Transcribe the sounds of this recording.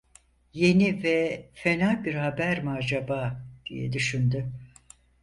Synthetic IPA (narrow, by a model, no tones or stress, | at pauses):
je̞nivɛfe̞naːbiɾhabæɾmad͡ʒabaːd̪̥ḭjɛ̰d̪yʃynd̪y